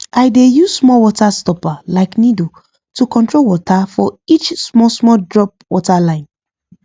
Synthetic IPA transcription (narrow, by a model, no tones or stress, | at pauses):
ʔaɪdejussmɔwɔtastɔpalaɪknido | tukɔ̃ntɹolwɔtʰafɔit͡ʃsmɔsmɔdɹɔp̚wɔtalãɪ̃n